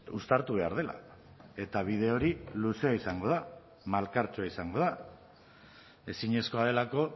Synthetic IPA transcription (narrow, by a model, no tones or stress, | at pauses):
ust̪aɾt̪uβ̞e̞aɾð̞e̞la̰ | e̞t̪aβ̞iðe̞o̞ɾiluse̞aisaŋɡo̞ð̞a | malkaɾt͡ʃoaisaŋɡo̞ð̞a | e̞siɲe̞sko̞að̞e̞lako̞